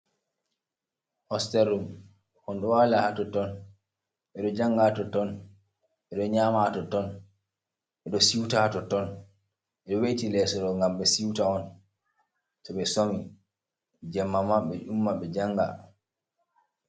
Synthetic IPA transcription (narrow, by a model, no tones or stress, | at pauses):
hɔstɛɾːum | hɔnɗɔwalahatɔtɔn | ɓɛɗɔd͡ʒaŋɡatɔtɔn | ɓɛɗɔɲaːmatɔtɔn | ʔɛɗɔsiwtahatɔtɔn | ɛɗɔwetilɛːsɔɗɔŋɡamɓɛsiwtaɔn | tɔɓɛsomi | d͡ʒɛmːamaɓɛʔumːaɓɛd͡ʒaŋɡa̰